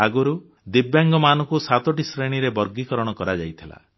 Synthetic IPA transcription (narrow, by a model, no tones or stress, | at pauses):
aɡɔɾu | d̪ibjaŋɡɔmanɔ̃ŋkusat̪ɔʈisɾeɽ̃iɾebɔɾɡikɔɾɔɽ̃ɔkɔɾad͡ʒajt̪ʰila̰